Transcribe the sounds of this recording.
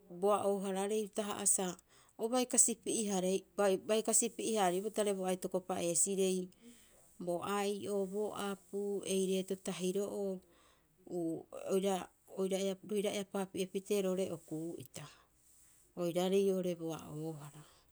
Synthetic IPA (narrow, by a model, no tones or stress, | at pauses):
boaʔoɦaɾaɾe̞jtaɦa̰ʔasa | oβajkasipiʔiɦaɾeabajkasipiihaɾibotaɾe̞boajto̞ko̞paʔe̞ːsiɾe̞j | bo̞ʔaiʔo̞bo̞ʔapue̞jɾe̞ːtotaɦiɾo̞ʔo | uojɾa | ojɾaeaɾohiɾaeapapiʔepite̞ɾoɾe̞ʔo̞kuːḭta | ojɾaɾejo̞ɾe̞boa̰ʔoɦaɾa